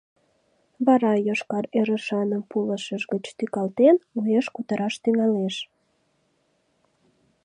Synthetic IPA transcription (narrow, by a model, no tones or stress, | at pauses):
βɑɾɑjoʃkɑɾeɾəʃɑnəmpuləʃəʒɡət͡ɕt̪ykɑlt̪enueʃkut̪əɾɑʃt̪yŋɑleʃ